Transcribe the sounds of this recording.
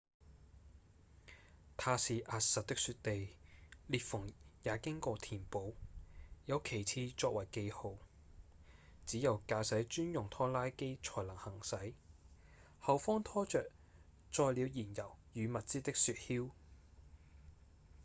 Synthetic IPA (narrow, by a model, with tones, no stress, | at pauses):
t̪ʰaː˧siː˨ʔaː˧t̚sɐ˨t̚t̪ɪ˥ksyː˧t̚t̪e˨jliː˨˩t̚fʊ˨˩ŋjaː˨˥kɪ˥ŋkɔː˧t̪ʰiː˨˩npo˨˥wjɐ˨˧wkʰe˨˩jt͡sʰiː˧t͡ʃɔː˧k̚wɐ˨˩jke˧jho˨w | t͡siː˨˥jɐ˨˩wkaː˧sɐ˨˥jt͡ʃyː˥njʊ˨˩ŋt̪ʰɔː˥laː˥jke˥jt͡ʃʰɔː˨˩jlɐ˨˩ŋhɐ˨˩ŋsɐ˨˥j | hɐ˨˩wfɔː˥ŋt̪ʰɔː˥t͡ʃœː˨k̚ | t͡sɔː˧jliː˨˧wjiː˨˩njɐ˨˩wjyː˨˧mɐ˨t̚t͡siː˥t̪ɪ˥k̚syː˧t̚hiː˥w